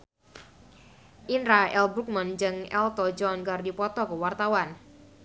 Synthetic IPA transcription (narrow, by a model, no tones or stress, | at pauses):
ʔinɾaɛlbɾuk̚mənd͡ʒəŋɛ̰lt̪ɔd͡ʒɔnɡardipɔt̪ɔkəwart̪awan